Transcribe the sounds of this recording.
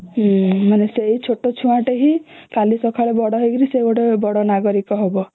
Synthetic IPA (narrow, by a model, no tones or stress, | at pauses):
maneseɦit͡ʃʰoʈot͡ʃʰuãʈeɦikalisɔkʰaɭebɔɽɔɦejɡɔɾiseɡɔʈebɔɽɔnaɡɔɾikɔɦebɔ